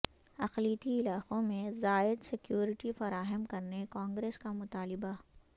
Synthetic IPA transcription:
ɐxliːt̪iɪlaːqõmẽzaːɪd̪sɪkjuːɾɪʈifɐɾaːɦəmkɐɾnekãːŋɡɾeːskamʊt̪aːlɪba

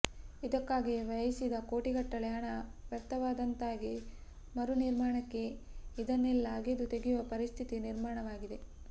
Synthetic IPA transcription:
id̪ɐkːaːɡiʋɐɐjisid̪ɐkoːʈiɡɐʈːɐɭɐjaːɳɐʋjɐkt̪ːɐʋaːd̪ɐnt̪aːɡi | mɐɾuniɾmaːɳɐkːe̞id̪ɐnːilːaːɡed̪ut̪eɡijuʋɐpɐɾist̪ʰit̪iniɾmaːɳɐʋaːɡid̪e̞

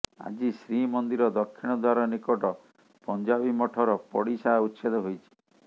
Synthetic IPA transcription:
a̰d͡ʒisɾimɔnd̪iɾɔd̪ɔkʰːiɽ̃ɔd̪waɾɔnikɔʈɔ | pɔnd͡ʒabimɔʈʰɔɾɔpɔ̰ɽisaut̪ːʃed̪ɔɦojt͡ʃʰi̥

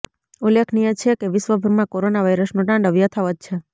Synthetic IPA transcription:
ulekʰnijət͡ʃʰekeʋɪʃʋəbʱəɾmãkoɾonaʋajɾəsnũʈãɳɖəʋijət̪ʰaʋəd̪̚t͡ʃʰe

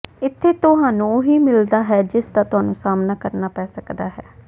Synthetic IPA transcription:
ɪt̪ʰːeːt̪ʊɦãːnũːɦiːmɪld̪aːɦɛːd͡ʒɪsd̪aːt̪ʊɦaːnũːsaːmnaːkəɾnaːpɛːsəkd̪aːɦɛː

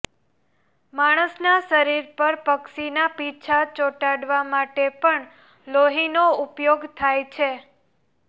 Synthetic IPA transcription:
maɽ̃əsnaʃəɾiɾpəɾpəkʃinapit͡ʃʰat͡ʃoʈaɽʋamaʈepəɳ | loɦinoupjoɡt̪ʰajt͡ʃʰe

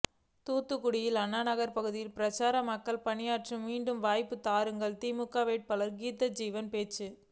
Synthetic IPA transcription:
t̪uːt̪ːɯkːʊɽɪjɪlɐnːaːnɐɣɐɾpɐɣɯðɪjɪlpɪɾɐt͡ʃaːɾɐmɐkːɐɭpɐɳɪjaːʈrimiːɳɖɯmʋaːjpːɯt̪aːɾɯŋɡɐɭt̪iːmɯkːaːʋeːʈ̚pɐlɐɾɡiːt̪ːɐd͡ʒiːʋɐnpeːt͡ʃːɯ

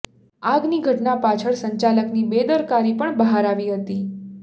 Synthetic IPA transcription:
aɡniɡʱəʈnapat͡ʃʰəɭsəɲt͡ʃaləknibed̪əɾkaɾipəɳbəɦaɾaʋiɦət̪i

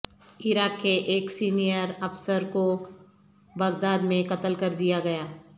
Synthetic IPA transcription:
ɪɾaːkːeʔeːksiːnijəɾɐfsəɾko | bɐɡd̪aːd̪mẽkɐt̪əlkɐɾd̪ijaɡɐjaː

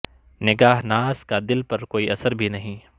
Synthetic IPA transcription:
nɪɡaːɦnaːskad̪ɪlpɐɾkoːiʔɐsəɾbʱinɐɦĩ

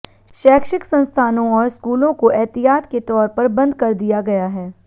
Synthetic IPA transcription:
ʃɛːkʃɪksɐ̃nst̪ʰaːnõɔːɾskuːlõkoʔɛːt̪ijaːt̪ket̪ɔːɾpɐɾbɐ̃nd̪kɐɾd̪ijaɡɐjaɦɛː

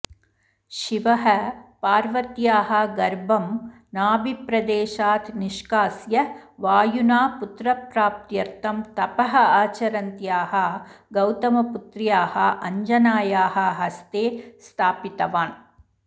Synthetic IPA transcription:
ʃiʋɐɦɐpaːɾʋɐt̪jaːɦɐ̆ɡɐɾbʱɐm | naːbipɾɐd̪eːʃaːt̪ʰniʃkaːsjɐʋaːjunaːput̪ɾɐpɾaːp̚t̪jɐɾt̪ʰɐmt̪ɐpɐɦɐaːt͡ʃɐɾɐnt̪jaːɦɐ̆ɡɐwt̪ɐmɐput̪ɾijaːhɐ̆ʔɐɲd͡ʒɐnaːjaːɦɐ̆ɦɐst̪eːst̪ʰaːpit̪ɐʋaːn

